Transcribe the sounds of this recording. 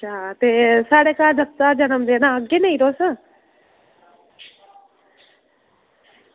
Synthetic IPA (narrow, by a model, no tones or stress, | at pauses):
ʃʰaːt̪eːsaːɽekaːd͡ʒəst̪aːd͡ʒənəmd̪enãəɡenɐĩɾoːsə̃